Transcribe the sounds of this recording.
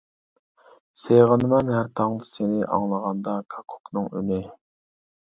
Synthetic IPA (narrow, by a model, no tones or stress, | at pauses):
seʁənɨmɑnɦæɾt̪ʰɑŋd̪ɨsenɪʔɑ̰ŋlˠəʁɑnd̪ɑkʰɑ̥kʰʊ̥knɨŋy̰nɪ